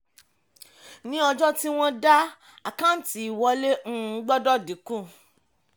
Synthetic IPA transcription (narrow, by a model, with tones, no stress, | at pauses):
nĩ˦ɔ˧d͡ʒɔ˦ti˦w̃ɔ̃˦da˦ | a˨kã˦˨n̩˦ti˨i˨wɔ˧le˦ŋ̩̃ː˦˨˦ɡ͡bɔ˦dɔ˦˨di˨˦kũ˦˨